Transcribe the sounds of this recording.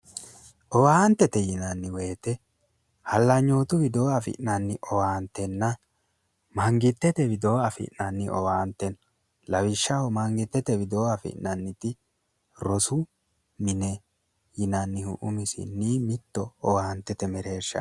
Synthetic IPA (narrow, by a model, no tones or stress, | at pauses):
ʔɔwaːnt̪ːɛt̪ɛjɪnɐnːɪwe̞ːt̪ɛ | hɐlːɐɲːo̞ːt̪ʊbɪd̪oːɐfɪ̰ʔnɐnːɪʔɔwaːnt̪ːɛnːɐ | mɐŋɡɪt̪ːɛt̪ɛbɪd̪o̞ːɐfɪ̰ʔnɐnːɪʔɔwaːnt̪ːɛn | lɐwɪʃːɐhɔmɐŋɡɪt̪ːɛt̪ɛbɪd̪o̞ːɐfɪ̰ʔnɐnːɪt̪ɪ | ɾɔsʊ | mɪnɛ | jɪnɐnːɪhʊ̰ʔʊmɪsɪ̰nːiːmɪt̪ːɔːwaːnt̪ːɛt̪ɛmɛɾe̞ːʃːɐ̰